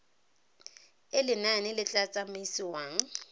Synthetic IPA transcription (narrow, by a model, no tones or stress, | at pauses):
ɪlɪnanɪlɪt͡ɬʼat͡sʼameisɪwaːŋ̩